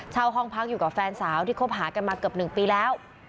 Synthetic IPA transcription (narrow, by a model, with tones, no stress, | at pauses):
t͡ɕʰaː˧wɦɔ˥˩ŋpʰa˦˥k̚juː˨˩kaː˨˩fɛː˧nsaː˩˦wt̪ʰiː˥˩kʰo˦˥˩p̚ɦaː˩˦ka˧nmaː˧kɯ˨˩əp̚nɯ˨˩ŋpiː˧lɛː˦˥w